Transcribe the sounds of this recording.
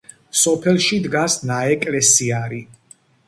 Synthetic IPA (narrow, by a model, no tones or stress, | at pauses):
sɔpʰɛlˠʃid̪ɡasnaɛkʼlɛsiaɾi